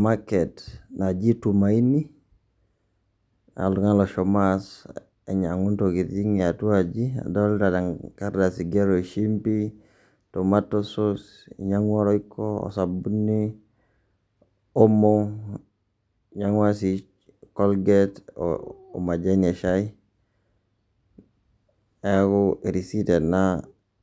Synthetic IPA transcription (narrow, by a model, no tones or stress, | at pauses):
maketnad͡ʒitumaini | a̰luŋaloʃomas | eɲaŋuntokitiŋatuad͡ʒia̰doltadaŋkaɾdasiɡeɾoʃimpi | tomatːosos | ḭɲaŋwaɾoikʰːoo̰sabunːi | omo | ɲaŋwasi | kɔlɡetː | mad͡ʒaneʃai | ɛkɔiɾisitena